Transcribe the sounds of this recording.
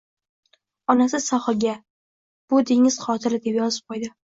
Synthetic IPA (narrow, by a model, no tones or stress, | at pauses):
ɒnas̬ɪsɒχɡʲa | b̥ʊd̪eŋɪz̥χɒt̪ʰɪɾɪd̪e̞pjɒzɪp̚qʰojd̪ɪ